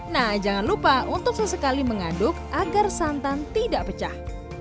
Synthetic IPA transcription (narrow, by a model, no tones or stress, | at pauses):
nahd͡ʒaŋanlupaunt̪ʊk̚səsəkaliməŋadʊk̚aɡarsant̪ant̪idaʔpət͡ʃah